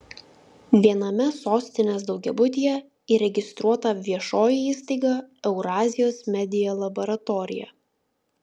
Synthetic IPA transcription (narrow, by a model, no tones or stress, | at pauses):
ʋʲiɛnɐmʲɛsoːsʲt̪ʲɪnʲeːs̬d̪ɒʊɡʲɛbʊt̪ʲijɛ | iɾʲɛɡʲɪst̪ɾuɔt̪ɐʋʲiɛʃoːjiiːst̪ɐɪɡɐɛʊɾɑːzʲɪjoːsmʲɛd̪ʲɪjoːlˠɐbɔɾɐt̪ɔɾʲɪ̰jɛ̰